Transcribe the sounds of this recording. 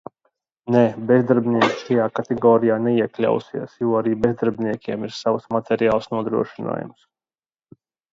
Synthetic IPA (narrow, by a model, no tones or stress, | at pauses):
nɛbɛzd̪aɾbʲniɛkʃajaːkat̪ɛɡɔːɾijaːnɛiɛklʲa̰wsḭɛsjuːaɾiːbɛzd̪aɾbʲniɛkʲiɛmiɾsavəsmat̪ʰʲɛɾijaːlˠsnuɔd̪ɾṵɔʃina̰ːjṵms